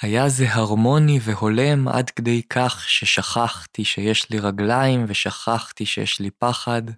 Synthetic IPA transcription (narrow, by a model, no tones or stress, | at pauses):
hajazeɦaʁmo̞nive̞ho̞le̞mʔa̰dked̪ejkʰaχʃeʃaχaχt̪iʃejeʃliʁaɡlajimveʃaχaχtiʃḛjɛ̰ʃlipaχad